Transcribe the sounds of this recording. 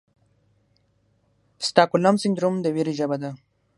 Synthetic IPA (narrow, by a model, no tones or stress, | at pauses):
st̪akulamsind̪ɾumd̪əwiɾiʒabad̪a